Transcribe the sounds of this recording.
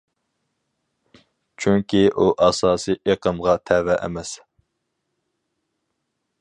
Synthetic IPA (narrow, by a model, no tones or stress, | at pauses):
t͡ʃʰyŋkʲʰiʔuʔɑsɑːsiʔeqʰəmʁɑt̪ʰɛvɛʔɛ̰mɛs